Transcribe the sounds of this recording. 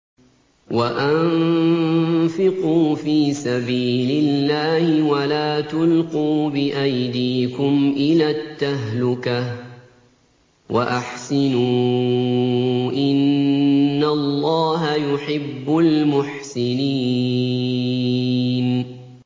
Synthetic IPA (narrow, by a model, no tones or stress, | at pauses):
waʔan | fɪquːfiːsabiːlɪlːaːhɪwalaːt̪ʊlquːbɪʔajd̪iːkʊmʔɪlaːt̪ːaɦlʊka | waʔaħsɪnuː | ʔɪnː | alˤːɑːɦajʊħɪbːʊlmʊħsɪniː | n